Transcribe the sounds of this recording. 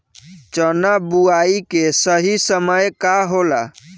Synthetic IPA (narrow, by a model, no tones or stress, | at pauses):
t͡ʃənabuaikesəɦisəməjkaɦola̰